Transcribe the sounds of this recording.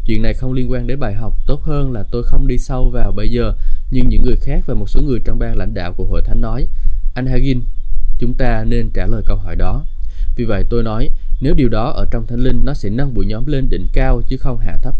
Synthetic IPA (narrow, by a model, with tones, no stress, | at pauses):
t͡ɕwḭ˧˨nːa˨˩jxə˧wŋ͡mli˧ənkwaː˧nɗe˨˦nɓaː˨˩jɦa˨˩wk͡p̚t̪o˦˥t̚həː˧nlaː˨˩t̪o˧jxə˧wŋ͡mɗi˧sa˧wvaː˨˩wɓə˧jzəː˨˩ɲɨ˧ŋɲɨ̰˧˥ŋːɨ˨˩əjxaː˦˥k̚vaː˨˩mo˨˩t̚so˨˦ŋɨ˨˩əjt͡ɕɔ˧wŋ͡mɓaː˧nla̰˧˩jŋ̟ɗa̰ː˧˨wku˧˩əho̰˧˨jt̪ʰa˨˦jŋ̟nːɔ˨˦jʔa˧jŋ̟ɦaː˧ɣi˧nt͡ɕʊ˨˦ŋ͡mt̪aː˧ne˧nt͡ɕaː˧˩ləː˨˩jkə˧whɔ˧˩jɗɔ˨˦vi˨˩və̰˧˨jt̪o˧jnɔ˨˦jne˨˦wɗi˨˩əwɗɔ˨˦ʔəː˧˩t͡ɕɔ˧wŋ͡mt̪ʰa˨˦jŋ̟lï˧ŋ̟nɔ˨˦sɛ̰˧˥na˧ŋɓṵ˧˨jɲɔ˨˦mle˧nɗḭ̈˧˩˨ŋ̟kaː˧wt͡ɕɨ˨˦xə˧wŋ͡mha̰ː˧˩t̪ʰə˦˥k̚